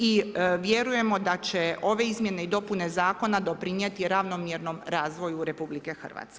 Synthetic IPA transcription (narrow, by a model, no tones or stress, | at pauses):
iʋjeɾuje̞mo̞d̪at͡ɕeʔo̞ʋe̞izmje̞ne̞id̪o̞pune̞zaːko̞nad̪o̞pɾinjet̪iɾaʋnomjeɾno̞mɾaːzʋo̞juɾe̞publikexr̩ʋa̰ːt̪ske